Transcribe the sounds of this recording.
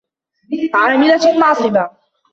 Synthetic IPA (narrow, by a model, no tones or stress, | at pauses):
ʕaːmɪlamɑʕsˤɨba